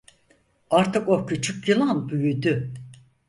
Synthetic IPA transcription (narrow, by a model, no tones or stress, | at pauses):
aɾt̪ʰɯkocʰyt͡ʃʰykjɯlˠanbyjyd̪y